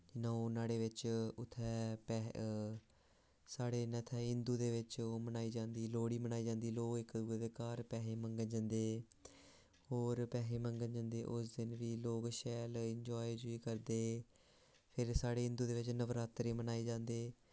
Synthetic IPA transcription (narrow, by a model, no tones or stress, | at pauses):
d͡ʒɪnãːoːnaːɽeːʋɪt͡ʃʊt̪ʰːɛːpɛ | saːɽeːnət̪ʰɛːɦɪnd̪uːd̪eːʋɪt͡ʃːmənaːiːd͡ʒãːnd̪iːloːɽiːmənaːiːd͡ʒãːnd̪iːloːkɪkd̪ueʋeːkaːɾpɛːɦeːməŋɡənd͡ʒə̃nd̪eː | ɦoːɾpɛːɦeːməŋɡənd͡ʒə̃ːnd̪eːʔʊsd̪ɪnʋiːloːkʃɛːlɪɲd͡ʒɔːid͡ʒʊiːkəɾd̪eː | pʰɪɾsaːɽeːɦɪ̃nd̪uːd̪eːʋɪt͡ʃnəʋɾaːt̪ɾeːmənaːiːd͡ʒãːnd̪eː